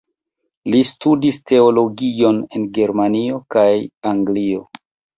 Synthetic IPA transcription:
listudistʰe̞olo̞ɡio̞ne̞nɡe̞ɾmanio̞kajaŋɡlio̞

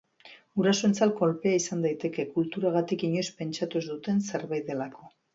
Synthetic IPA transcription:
uɾasoe̞nt͡salko̞lpe̞aisand̪ajt̪e̞ke̞kult̪uɾaɣ̞at̪ikiɲo̞jspe̞nt͡ʃat̪ozd̪ut̪e̞nse̞ɾβajðe̞lako̞

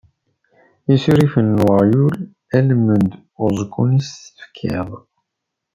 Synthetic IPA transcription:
isiɾifənːwjul | ælmənd̪ | ʊzˤəkːunistə̥fkʰːiðˤ

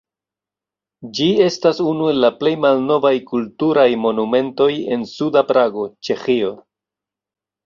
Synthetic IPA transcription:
d͡ʒie̞stasunue̞lːaple̞jmalno̞vajkultuɾajmo̞nume̞nto̞je̞nsudapɾaɡo̞t͡ʃe̞xio̞

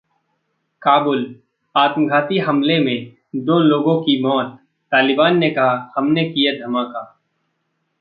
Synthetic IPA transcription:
kaːbʊl | aːt̪məɡʱaːt̪iɦɐmlemẽ | d̪oːloːɡõkimɔːt̪̚ː | aːlɪbaːnːekɐɦahɐmnekijed̪ʱɐmaːkaː

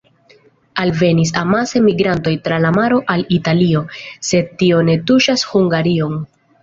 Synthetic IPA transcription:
alve̞nis̬amase̞miɡɾanto̞jtɾalamaɾo̞ʔalitalio̞se̞d̚tio̞ne̞tuʃashuŋɡaɾio̞ŋ

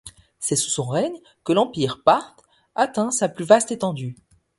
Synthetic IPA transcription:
sɛsu̥sɔ̃ʁɛɲ | kəlɑ̃piʁpaʁt̪ | at̪ɛ̃saplyvast̪et̪ɑ̃d̪y

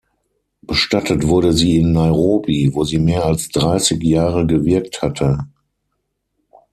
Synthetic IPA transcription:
b̥əʃtatətv̥ʊɐɾəziːɪnːaɪʁoːbivoːziːmeːɐalsd̥ʁaɪsɪkjaːʁəɡəvɪɐk̚thatʰə

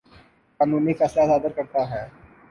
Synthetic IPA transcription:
kaːnũːnifɛːslasaːd̪əɾkɐɾt̪aɦɛ̃ː

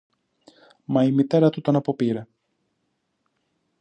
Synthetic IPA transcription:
mɐimit̪e̞ɾɐt̪ut̪o̞nɐpo̞piɾe

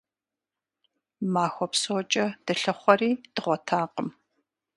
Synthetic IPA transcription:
maːxʷɔpsot͡ʃʼɐd̥ɨɬɐχʷɔriːd̥ɨʁʷɔtʰaːqəm

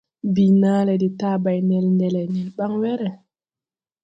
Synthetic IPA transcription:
binaːlɛditaːbajnɛlndɛlɛnɛlɓaŋwɛɾɛ

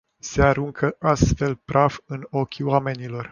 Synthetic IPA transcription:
se̞aɾuŋkʰəʔast̪fe̞lpɾʔavɨno̞kʲiwame̞nilo̞r

